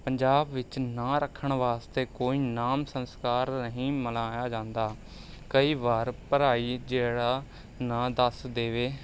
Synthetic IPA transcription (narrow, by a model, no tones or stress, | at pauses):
pəɲd͡ʒaːbʋɪt͡ʃnãːɾəkʰːəɳʋaːst̪eːkoːiːnaːmsənskaːɾnəɦĩːməlaːjaːd͡ʒãːnd̪aː | kəiːʋaːɾpəɾaːiːd͡ʒeːɽaː | nãːd̪əsd̪eːʋeː